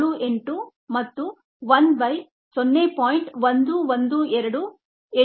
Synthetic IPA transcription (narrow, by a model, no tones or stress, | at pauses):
ɽuʔe̞ɳʈu | mɐt̪ːu | ʋɐnbɐj | sonːepaːjiɳʈʋɐnd̪uʋɐnd̪uːɛɾɐɽu | e